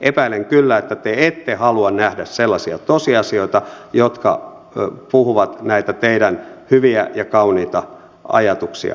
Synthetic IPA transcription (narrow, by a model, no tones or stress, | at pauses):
ʔepæileŋkylːæet̪ːæt̪eet̪ːehɑluɑnnæhdæsselːɑsiɑt̪osiɑsioit̪ɑ | jot̪kɑ̰ | puhuʋɑt̪næit̪æt̪eidænhyʋiæjɑkɑuniːt̪ɑ | ɑ̰jɑt̪uksḭɑ̰